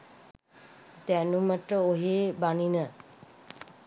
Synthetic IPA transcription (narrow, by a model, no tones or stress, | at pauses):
d̪ænuməʈəoɦeːbaninə